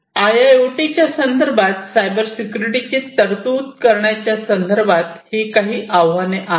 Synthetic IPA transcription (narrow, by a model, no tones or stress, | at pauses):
ajaeʈit͡ɕjasənd̪əɾbʱat̪sajbəɾsikjuɾiʈit͡ɕet̪əɾt̪uːt̪kəɾɳjat͡ɕjasənd̪əɾbʱat̪hikaɦiːʔaʋʋaneʔa